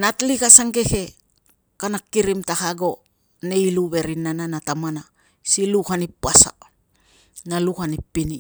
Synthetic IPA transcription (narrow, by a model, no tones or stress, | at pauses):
natlikasaŋɡe̞ke̞ | kanakːiɾimtahaɡo̞ | neiluβe̞ɾinːananatamana | siluhanipːasa̰ | naluhanipːini